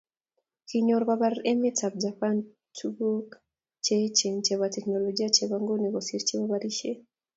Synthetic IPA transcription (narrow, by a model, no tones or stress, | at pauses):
kʰiɲɔɾɔβaβaɾɛmetab̚d͡ʒapan | tʰubuk | t͡ʃet͡ʃɛnt͡ʃɛβatɛknɔlɔd͡ʒiat͡ʃeβaŋɡunɛɣɔsiɾt͡ʃeβaβaɾiʃɛ